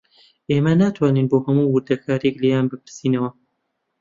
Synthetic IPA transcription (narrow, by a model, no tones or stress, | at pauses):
ʔeːmɐnaːt̪ʰwaːniːnboːhɐmuːwɨɾd̪ɐkʰaːɾjeklejaːnbɨpʰɨɾsiːnɐwɐ